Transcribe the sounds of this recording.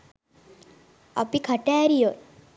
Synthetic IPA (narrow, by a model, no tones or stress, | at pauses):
ə̰pikʰəʈaːɾijo